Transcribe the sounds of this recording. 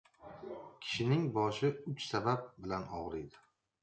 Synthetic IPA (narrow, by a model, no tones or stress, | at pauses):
kʲʰɪ̥ʃɪnɪŋbɒʃɪʊt͡ʃsabap̚bɪlanɒʁɾed̪ɪ̥